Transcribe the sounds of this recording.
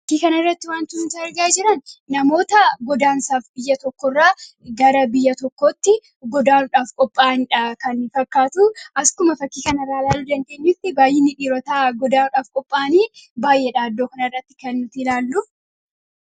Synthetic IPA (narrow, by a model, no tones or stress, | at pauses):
fɐkːiːkɐnɐɪrːɐt̪ːɪwaːnt̪ɪnʊt̪ɐɐɾɡaːd͡ʒɪɾɐnːɐmo̞ːt̪ɐɡɔd̪aːnsaːfbɪjːɐt̪ɔkːɔrːaː | ɡɐɾɐbɪjːɐt̪ɔkːoːt̪ːɪ | ɡɔd̪aːnʊᶑaːfkʼɔpʼːaːnᶑɐkɐnːɪfɐkːaːt̪ʊʔɐskʊmɐfɐkːiːkɐnɐrːaːlaːlːuːd̪ɐnd̪e̞ɲːɪːft̪ɪbaːjːɪnːɪᶑiːɾɔt̪aːɡɔd̪aːᶑaːfkʼɔpʼːaːniːbaːjʔeːᶑaːd̪ːoːkɐnɐrːɐt̪ːɪ̥kɛnːʊt̪ɪlaːlːʊ